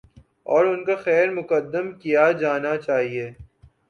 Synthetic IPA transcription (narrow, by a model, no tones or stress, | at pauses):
ɔːɾʊnkaxɛːɾmʊkəd̪ːəmkijad͡ʒaːnat͡ʃaːɦieː